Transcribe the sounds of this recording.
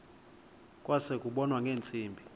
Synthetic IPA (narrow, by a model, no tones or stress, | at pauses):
kʼwasekʼuɓɔnwaŋɡʱeːnt͡sʼiːmbʱi